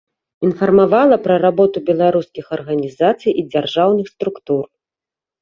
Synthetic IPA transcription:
infɐrmavalˠɐpɾɐɾabɔt̪ubʲɛlˠaɾuskʲixɐrɣɐnʲizat̪sɨjʔid͡zʲarʐawnɨxst̪ɾukt̪ur

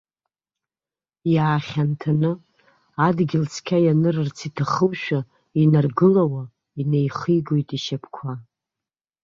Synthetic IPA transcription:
jaːχʲantʰanɨ | adɡʲɪlt͡sʰkʲʰajanɨrɨrt͡sʰitʰaχəwʃᶣa | inarɡɨlawa | inejχiɡojtʼiʃapʰkʷʰa

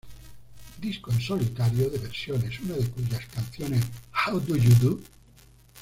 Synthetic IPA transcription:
d̪iskoensolit̪aɾjoðeβeɾsjonesunaðekuʝaskanθjoneshawd̪ujud̪u

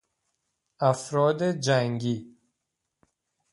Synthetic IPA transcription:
æfɾɒːd̪ed͡ʒæŋɡiː

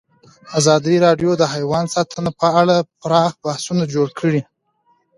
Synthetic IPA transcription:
azɑd̪iɾɑɖjod̪əɦajwɑnsɑt̪ʰənapəaɽapɾɑxb̥ahsunad͡ʒoɽkʰəɽi

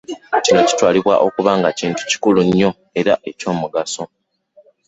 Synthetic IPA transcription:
cino̞ci̥twaːliβwa̰ʔo̞kuβaːŋɡaciːntu̥ci̥kuluɲːo̞ | e̞ɾaʔe̞co̞ːmuɡaso̞

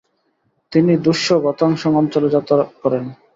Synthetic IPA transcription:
t̪inid̪uʃːoɡɔt̪aŋʃɔŋɔnt͡ɕɔlod͡ʑat̪akɔɾen

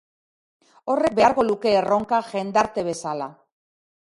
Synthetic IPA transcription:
o̞re̞k̚beaɾɣo̞luke̞ːro̞ŋkaʝe̞nd̪aɾt̪e̞βe̞sala

